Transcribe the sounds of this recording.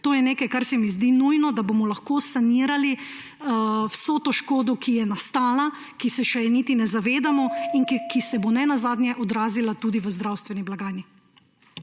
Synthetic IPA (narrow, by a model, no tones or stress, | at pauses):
t̪oːjɛneːkajkaɾsɛmizd̪inujnɔd̪abomɔlaxkosaniːɾali | wsoːt̪oʃkoːd̪ɔkijɛnast̪aːla | kisɛʃɛnit̪inɛzaʋeːd̪amɔinkkisɛbonɛnazaːd̪njɛʔɔd̪ɾaːzilat̪uːd̪iʋəzd̪ɾawst̪ʋɛniblaɡaːni